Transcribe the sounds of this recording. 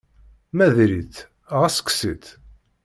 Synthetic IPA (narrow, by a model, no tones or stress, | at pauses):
mæðɾiθ | ʁæsə̥kːsit̪